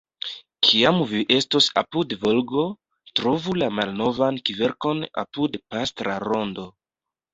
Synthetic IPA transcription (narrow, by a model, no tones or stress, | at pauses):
kʰiamviʔe̞stosa̰pudvo̞lɡo̞ | tɾo̞vulamalno̞vankive̞ɾko̞na̰pudpastɾa̰ɾo̞ndo̞